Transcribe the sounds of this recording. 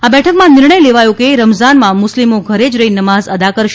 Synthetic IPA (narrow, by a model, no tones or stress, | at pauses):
abɛʈʰəkmãnɪɾɳəjleʋajõkeɾəmzanmãmʊslimoɡʱəɾed͡ʒɾəɦinəmazəd̪akəɾʃ